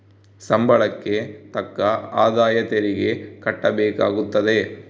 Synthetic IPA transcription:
sɐmbɐɭɐkːet̪ɐkːɐaːd̪aːjɐt̪ɛɾɪɡekɐʈːɐbeːkaːɣut̪ːɐðeː

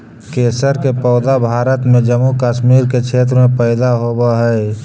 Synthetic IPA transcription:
keːsəɾkepɔːd̪abʱaːɾət̪mẽd͡ʒəmːukaːʃmiːɾkekʰeːt̪̬ɾmẽpɛːd̪aɦoːbaɦɛː

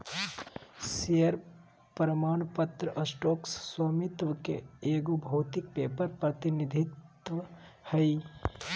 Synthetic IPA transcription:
sijəɾ | pɾəmaːnpət̪ɾəʔəsʈoːksswomɪt̪ʋəkḛeːɡubʱɐːt̪ik̚peːpəɾpɾət̪inid̪ʱɪt̪ | ʋə | həi

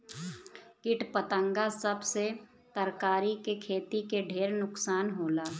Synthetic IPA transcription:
kɪʈpət̪ə̃ŋɡasəbse | t̪əɾkaːɾikekʰeːt̪ikeɖʱeːɾnʊksaːnɦoːlaː

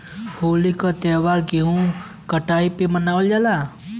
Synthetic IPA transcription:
holikɔt̪ɛʋaɾkeɦũ | kəʈaipemənaʋəld͡ʒala

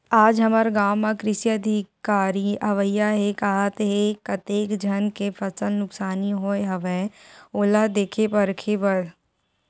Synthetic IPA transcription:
aːd͡ʒɦɐməɾɡaːmːãkɾɪsiəd̪ʱikaːɾiɐʋəjːaɦekaɦat̪ɦekɐt̪eːkd͡ʒʱənkefʰɐsəlnʊksaːniɦoːeɦɐʋeoːlad̪eːkʰepəɾkʰepɐɾ

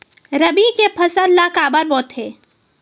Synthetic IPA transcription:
ɾɐbikepʰɐsənlakaːbəɾbɔːt̪ɦeː

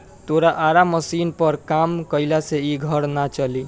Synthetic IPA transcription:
t̪oɾaʔaɾaməsinpəɾkamkəɪlaseiɡʱəɽnat͡ʃəli

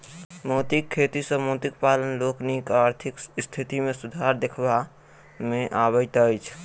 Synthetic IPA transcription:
mɔʊt̪ikʰːet̪isəmɔʊt̪ikpalənloknikaaɾt̪ʰikst̪ʰit̪imẽsud̪ʱaɾd̪ekʰba | mẽʔabəɪt̪əjt͡ʃʰ

